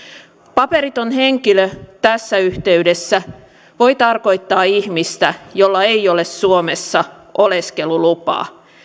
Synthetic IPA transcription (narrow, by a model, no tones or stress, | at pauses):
pɑpeɾit̪onɦeŋkiløt̪æsːæyht̪e̞ydesːæ | ʋo̞it̪ɑrko̞jt̪ːɑːihmist̪æjo̞lːɑe̞jole̞ssuomesːɑ | ʔoleske̞lulupɑ̰ː